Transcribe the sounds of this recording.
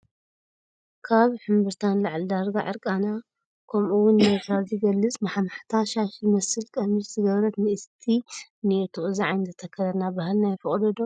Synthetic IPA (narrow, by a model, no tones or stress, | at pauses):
kʰaβħɨmbɨɾt̪ʰanlaʕld̪aɾɡa̰ʕɨ̰ɾkʼana | kʰɐmʔuwʊnːet̪ʰɾazɨɡɐlːɨt͡sʼmaħmaħt̪ʰaʃaʃlmɐsɨlkʼɐmɨzzɨɡɐβɾɐt̪nɨʔɨst̪ʰinɨɨt̪ʰuʔʼziʕajnzɨt̪ʰɐkʰɐɾɐɾnabahlnajfɨχʼd̪ɐd̪o